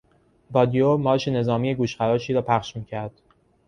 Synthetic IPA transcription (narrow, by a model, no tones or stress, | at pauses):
bɒːd̪ijomɒːʃene̞zɒːmiːjeɡuːʃχæɾɒːʃiːɾɒːpʰæχʃmiːcʰæɾd̪̥